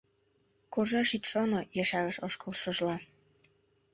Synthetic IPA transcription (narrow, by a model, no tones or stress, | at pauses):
korʒɑʃit̪ʃonojɑʃɑɣəʃoʃkəlʃɤ̆ʒlɑ